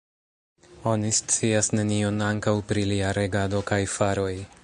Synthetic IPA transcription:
o̞nist͡siasne̞nio̞naŋkawpɾiliaɾe̞ɡado̞kajfaɾo̞j

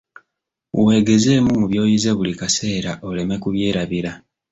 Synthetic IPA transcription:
uwe̞ːɡe̞ze̞ːmumuβjo̞ːjize̞βulikase̞ːɾaʔo̞le̞me̞kuβje̞ːɾaβiɾa

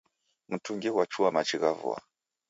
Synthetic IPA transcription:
m̩tuŋɡɛwat͡ʃuamat͡ʃiɣavṵa̰

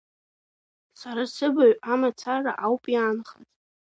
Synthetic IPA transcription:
saɾasɨbaɥamat͡sʰara̰ʔawpʼjanχa̰tʼ

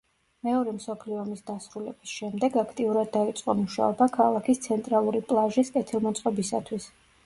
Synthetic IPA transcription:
mɛɔɾɛmsɔpʰliɔmisd̪asɾulɛ̰bisʃɛmd̪ɛɡakʰt̪ʼiuɾad̪ːait̪sʼqʼɔmuʃa̰ɔbakʰalˠakʰist̪sʰɛnt̪ʼɾalˠuɾipʼlˠaʒiskʼɛt̪ʰilˠmɔt̪sʼqʼɔbisa̰t̪ʰwis

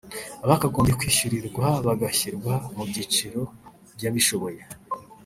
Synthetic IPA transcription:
aβakaɡoːmbekwiːʃuɾiɾɡwaβaɡaçiɾɡwamubɟit͡ʃiɾo̞ | bjaːβiʃo̞βo̞je̞

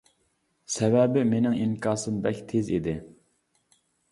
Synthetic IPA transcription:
sɛvɛbɪmenɪŋiŋkʰɑːsɨmbɛkʲt̪ʰezid̪ɪ

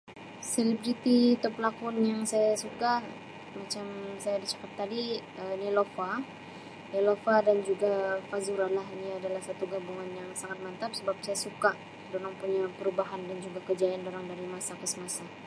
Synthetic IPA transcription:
selibɾit̪it̪ɔpəlakɔnjaŋsajasukah | mat͡ʃamsajadit͡ʃḁkat̚t̪ːadiənilofa | nelofadand͡ʒuɡafazuɾalahiniadalahsat̪uɡabuŋanjaŋsaŋat̪̚mant̪ap̚səbap̚sajasuka | doɾaŋpuɲapəɾubaɦandand͡ʒuɡakəd͡ʒajandoɾaŋdaɾimasakəsəmasa

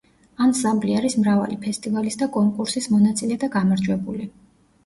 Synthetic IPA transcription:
anzabliaɾismɾava̰lipʰɛst̪ʼivalisd̪akʼɔŋkʼuɾsismɔnat̪sʼilɛd̪aɡamaɾd͡ʒwɛbuli

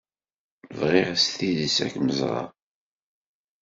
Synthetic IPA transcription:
əvʁɪʁsθiðisæ̰kməzʁɑ̰

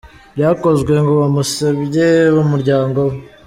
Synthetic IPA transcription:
bjaːko̞zɡwe̞ŋɡoβamusebjeβumuɾɟaːŋɡow

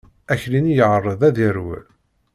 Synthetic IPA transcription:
æçlinijəʕərˤːəðˤæðiɾw̰

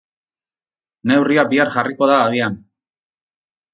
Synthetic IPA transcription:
ne̞wriabiaɾʝariko̞ðaːðian

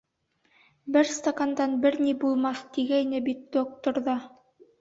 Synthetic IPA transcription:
bɘɾst̪okand̪ɑnbɘɾnibulˠmɑθt̪iɡæjnɘbit̪̚d̪̥ok̚t̪ŏɾðɑ

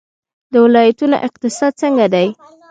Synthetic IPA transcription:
d̪əwɪlɑjat̪uno̰ʔɪq̚t̪ɪsɑd̪̚t͡səŋɡad̪aj

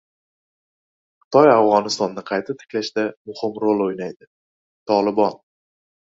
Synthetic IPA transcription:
qʰɨ̥t̪ʰɒjafʁɒnɪst̪ɒnːɪqʰɑjt̪ʰat̪ʰɪ̥kʲlaʃd̪amʊhɪmɾolˠojnajd̪ɪ | t̪ʰɒlˠɪbɒn

